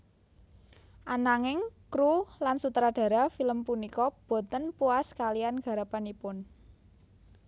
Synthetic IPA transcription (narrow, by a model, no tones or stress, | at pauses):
ʔanaŋɪŋkɾulansut̪ɾaɖ̥a̤ɾafiləmpunikɔb̥o̤t̪ənpuaskalijanɡ̥ä̤ɾapanipʊn